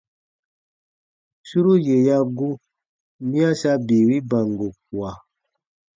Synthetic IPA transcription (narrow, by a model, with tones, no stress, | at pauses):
su˦ɾo˦je˨ja˦ɡu˦ | mĩ˦a˦sa˧bi˨wi˦ba˨ŋ˨ɡo˨k̚wa˨